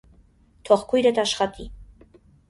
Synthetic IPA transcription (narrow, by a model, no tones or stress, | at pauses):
t̪ʰɔχkʰujɾɛt̪ɑʃχɑt̪i